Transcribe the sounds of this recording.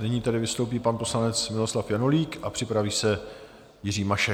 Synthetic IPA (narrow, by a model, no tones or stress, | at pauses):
nɪɲiːt̪ɛdɪvɪst̪owp̬iːpanpo̞slanɛt͡smɪlo̞slafjanoliːkʔapr̝̥ɪpɾaviːsɛ | jɪriːmaʃɛ